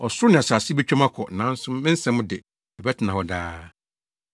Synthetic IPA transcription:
ɔ˨sʊ˦ʊ˦nɪ̃˨a˨saː˨si˦bɛ˦t͡ɕᶣã˦mã˦kʰɔ˨nã˨˦n̩˦sʊ̃˦mː˦ɪ̃˦n̩˦sɛ̃˨˦mʊ̃˦dɪ˨ | ɛ˨bɛ˦tʰɪ˨nã˨wɔ˨daː˦

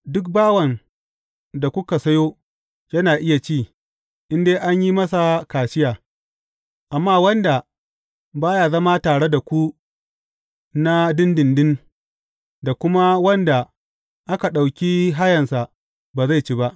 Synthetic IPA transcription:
dʊ˦k̚baː˦wɐ˨n | da˨kʷʊ˦ka˨sɐ˦joː˦ | jɐ˦naː˨ʔɪ˦ja˨t͡ʃiː˦˨ | ʔɪ˦ndeː˦ʔa˦ɲji˦mɐ˦s̬a˨kaː˨ʃɪ˦jaː˨ | ʔa˨mːaː˦˨wɐ˦nda˨ | baː˦jaː˨zɐ˦ma˦taː˨ɽe˦da˨kʷu˦ | na˦dɪ˦ndɪ˨ndɪ˦n | da˨kʷʊ˦ma˦wɐ˦nda˨ | ʔa˦ka˨ɗa˨wkʲiː˦ɦa˦jɐ˨nsa˨ʔ | baː˨za˦˨jt͡ʃi˦ba˦ʔ

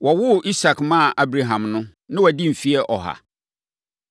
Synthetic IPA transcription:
wɔ˨wʊ˦ʔi˦sa˨kmã˦˨ʔa˦bɾa˨ɦã˨mnʊ̃˦ | nɪ̃˦wɔ˨di˦m̩˨fi˦ɛ˦ʔɔ˨ɦa̰˨

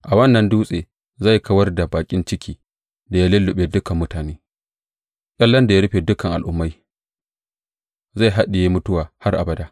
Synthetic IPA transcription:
ʔa˨wɐ˦nːɐ˨nduː˦sʼeː˨ | za˦˨jkʰɐ˦wɐ˦rda˨baː˨kʲʼɪ˦nt͡ʃɪ˦kʲʰiː˦ | da˨ja˦lɪ˦lːʊ˨ɓeː˨dʊ˦kɐ˨mːʊ˦taː˨neː˦ | ʔʲʼɐ˦lːɐ˦nda˨ja˦ɽʊ˦ɸeː˨dʊ˦kɐ˨ŋʔa̰˨lʔʊ˦mːa˦j | za˦˨ɦa˦ɗɪ˨je˦mʊ˦tʊ˦waː˨ha˦rʔa̰˨bɐ˦daː˦

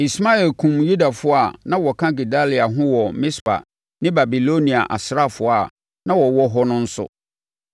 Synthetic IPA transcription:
i˨sma˦ɛ˨lkʰũ˨mju˦da˨fʊ˦a˨nã˦wɔ˨kʰã˦ɡi˨da˦li˨a˨ɦʊ̃˦wɔ˨mɪ̃˦spa̰˨ | nɪ̃˦ba˨bi˨lo˦nĩ˨a̰˨ʔa̰˨sɾa˦˨fʊ˦a˨ | nã˦wɔ˨wɔ˦ɦɔ˦nʊ̃˦n̩˦sʊ̰˦

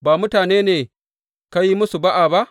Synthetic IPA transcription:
baː˨mʊ˦taː˨neː˦neː˨ | ka˦ji˦mʊ˦su˨ba˦ʔa˨ba˦ʔ

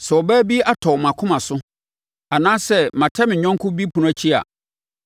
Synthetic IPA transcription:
sɛ˨ɔ˨bæː˦bi˦a˦tʰɔ˨mã˨kʰʊ̃˦mã˨sʊ˦ | a˨nãː˦sɛ˦˨mã˨tʰa˦mɪ̃˨ɲᶣɔ̃˦ŋ˦kʰʊ̃˦bi˦pʰu˨ñ˦a˦t͡ɕʰi˦a̰˨

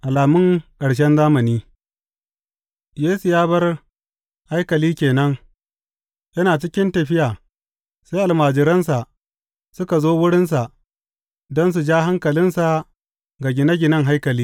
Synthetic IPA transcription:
ʔa˨laː˨mʊ˦ŋkʼɐ˨ɽʃ̬ɛ˦nzaː˦mɐ˨niː˦ | jeː˦su˨jaː˦bɐ˦r | ha˦jkɐ˨liː˦kʲeː˨nɐ˦ŋ | jɐ˦naː˨t͡ʃɪ˦kʲɪ˦ntɐ˨ɸɪ˦jaː˨ | sa˦jʔa˨lmaː˨d͡ʒɪ˨ɾɐ˦ns̬a˨ʔ | sʊ˦ka˨zoː˦wʊ˦ɽɪ˦ns̬a˨ʔ | dɔ˦ns̬u˨d͡ʒaː˦ɦa˦ŋkɐ˨lɪ˦nsa˨ | ɡa˨ɡʲɪ˨nɐ˦ɡʲɪ˨nɐ˦ŋɦa˦jkɐ˨liː˦

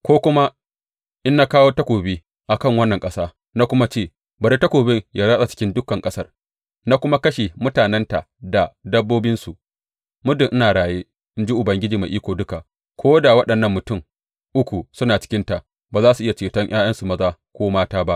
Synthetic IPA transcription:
kʷoː˦kʷʊ˦ma˦ | ʔɪ˦nːa˦kaː˦woː˦tɐ˦kʷoː˨beː˦ | ʔa˨kɐ˦˨ŋwɐ˦nːɐ˨ŋkʼɐ˦saː˦ | na˦kʷʊ˦ma˦t͡ʃeː˦˨ | bɐ˨ɾi˦tɐ˦kʷoː˨bɪ˦ŋjaː˦zaː˦sa˨t͡ʃɪ̥˦kʲɪ˦ndʊ˦kːɐ˨ŋkʼɐ˦sɐ˦r | na˦kʷʊ˦ma˦kɐ˦ʃe˨mʊ˦taː˨nɛ˦nta˨ʔda˨dɐ˦bːoː˦bɪ˦nsu˨ʔ | mʊ˦dɪ˨ʔɪ˦naː˨ɽaː˨jeː˦ | ʔɪ˦nd͡ʒi˦ʔʊ˨bɐ˨ŋɡʲɪ˦d͡ʒiː˨ma˨ʔiː˦kʷoː˨dʊ˦ka˨ʔ | kʷʰoː˦da˨wɐ˦ɗɐ˨nːɐ˦˨mːʊ˨tʊ˦˨ŋ | ʔʊ˦kʷu˨sʊ˦naː˨t͡ʃɪ̥˦kʲɪ˦nta˨ | baː˨zaː˦su˨ʔɪ˦ja˨t͡ʃeː˨tɐ˦ɲʔaː˦jɐ˦nsu˨mɐ˦zaː˦kʷoː˦maː˦taː˦ba˦ʔ

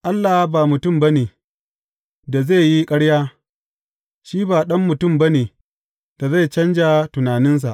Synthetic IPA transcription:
ʔa˦lːaː˨ha˦baː˨mʊ˨tʊ˦˨mbɐ˦neː˨ | da˨ze˦˨ji˦kʼɐ˦ɽjaː˦ | ʃiː˦baː˨ɗɐ˦mːʊ˨tʊ˦˨mbɐ˦neː˨ | d̥a˨za˦˨t͡ʃɐ˦nd͡ʒa˨tʊ˨naː˨nɪ˦ns̬a˨ʔ

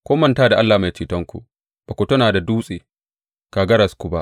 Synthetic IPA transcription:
kʷoː˦mɐ˦˨ntaː˦da˨ʔa˦lːaː˨ma˨jt͡ʃiː˨tɐ˦ŋkʷṵ˨ʔ | b̥a˨kʷu˨tʊ˦naː˨da˨duː˦sʼeː˨ | kaː˨ɡɐ˦ɾɐ˨skʷu˨ba˦ʔ

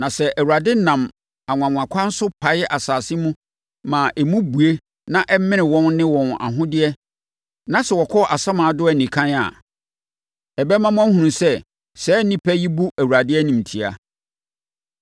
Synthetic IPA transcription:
nã˨sɛ˦ʔæ˨wu˨ɾa˨dɪ˦nã˨m | a˨ŋʷ˨ã˨ŋʷ˨ã˨kʷʰã˦n̩˦sʊ˦pʰa˨ɪ˦ʔa˨saː˨si˦mũ˦ | mã˨ʔɛ˨mũ˦bu˨e˦ | nã˦ʔɛ˦mɪ̃˦nɪ̃˨wɔ̃˦nnɪ̃˦wɔ̃˨na̰˨ɦʊ̃˦dɪ˦ɛ˦ | nã˦sɛ˨wɔ˨kʰɔ˦˨ʔa˨sã˦mãː˨˦dʊ˦ɛ˨nĩ˨kʰã˦na̰˨ | ɛ˨bɛ˦mã˦m̃˦ã˦hũ˨nũ˨sɛ˦ | sɛː˨˦nĩ˦pʰæ˦ji˦bu˦ʔæ˨wu˨ɾa˨dɪ˦ɛ˦nĩ˨m̩tʰi˨a̰˨

